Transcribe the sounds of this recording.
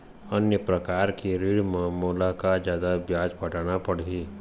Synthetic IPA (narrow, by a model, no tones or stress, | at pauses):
ənjəpɾəkaːɾkiɾiːɽmẽmoːlakad͡ʒjaːd̪abjaːd͡ʒpəʈaːɽ̃apəɽ̤iː